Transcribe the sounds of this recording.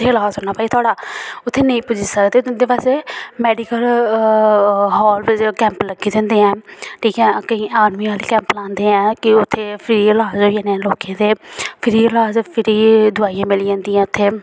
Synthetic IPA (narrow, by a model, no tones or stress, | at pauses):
eːlaːsoːnaːpaːiːt̪ʰʊaːɽaːʊt̪ʰːeːnəĩːpʊd͡ʒisəkd̪eːnd̪eːpaːsemɛːɖiːkəl | ɦɔːlɪd͡ʒkɛ̃ːmpləɡiːd̪ẽːnd̪eːɛ̃ːʈʰiːkɛ̃ːkəĩːaːɾmiːaːliːkɛ̃ːmplãːnd̪eːɛ̃ːkɪʊt̪ʰːeːpʰɪɾiːəlaːzoːijãːnẽloːkẽːd̪eːpʰɪɾiːlaːzpʰɪɾiːd̪ʊaːijãːmɪliːãːnd̪iːãːʊt̪ʰːeː